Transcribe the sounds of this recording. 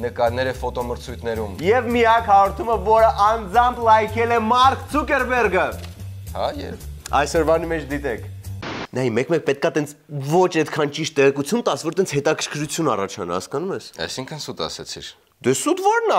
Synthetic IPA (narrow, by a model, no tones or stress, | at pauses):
nəkɑɾnɛɾəfɔt̪ɔməɾt͡sʰujt̪ʰnɛɾumjɛvmiɑkhɑɾɔɾt̪ʰuməvɔɾəʔɑnd͡zɑmpʰlɑjkʰɛlɛmɑɾkʰt͡sʰukɛɾbɛrɡəhɑjɛ̰vɑ̰jsɔɾvɑnimɛt͡ʃʰd̪it̪ɛkʰnɑjimɛkmɛk̚pɛt̪̚kɑt̪ɛnt͡sʰvɔt͡ʃʰɛt̪kʰɑnt͡ʃiʃt̪ːɛʁɛkut͡sʰjunt̪ɑsvɔɾt̪ɛnt͡sʰhɛt̪ɑkʰəɾkʰɾut͡sʰjunɑ̰rɑt͡ʃʰɑnɑ̰hɑ̰skɑnumɛsɑ̰jsiŋkʰənsut̪ɑ̰sɛ̰t͡sʰḭɾ | d̪ɛsut̪vɔɾnɑ